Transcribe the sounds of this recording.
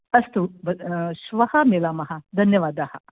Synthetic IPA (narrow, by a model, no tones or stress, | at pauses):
ɐst̪ubɐʃʋɐhɐmeːlaːmɐɦɐd̪ʱɐnjɐʋaːd̪aːhɐ̰